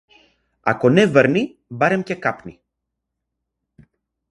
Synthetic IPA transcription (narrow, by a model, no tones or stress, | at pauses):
ɐ̰konevəɾni | bɐɾemcekɐpni